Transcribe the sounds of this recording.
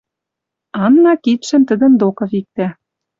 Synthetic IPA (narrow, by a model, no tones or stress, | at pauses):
ɑnːɑkit̪ʃɘ̆mt̪ə̆d̪ə̆nd̪okɤ̆vik̚t̪æ